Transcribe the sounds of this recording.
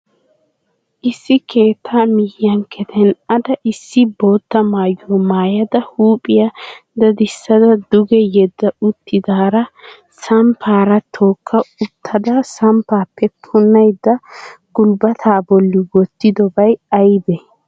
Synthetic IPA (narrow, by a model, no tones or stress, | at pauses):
ʔɪsːɪke̞ːt̪ʰːaːmɪhɪjɐŋkʰɛt̪ʰɛnɐd̪ɐʔɪsːɪbo̞ːt̪ːɐmaːjoːmaːjɐd̪ɐhuːpʼɪjɐd̪ɐd̪ɪsːɐd̪ɐd̪ʊɡɛjɛd̪ːɐʊt̪ːɪd̪aːɾɐ | sɐmpʰaːɾɐt̪ʰoːkʰːɐʊt̪ʰːɐd̪ɐsɐmpaːpʰːɛpʰʊnːɐjd̪ːɐɡ̥ʊlbɐt̪ʰaːbɔlːɪɡɔt̪ːɪd̪ɔbɐjɐjbɛ